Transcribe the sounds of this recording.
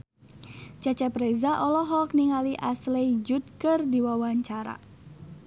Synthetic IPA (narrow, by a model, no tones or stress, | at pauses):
t͡ʃat͡ʃapɾezaʔɔlɔɦɔk̚niŋaliʔaslejd͡ʒut̪̚kərdiwawaɲt͡ʃaɾa̰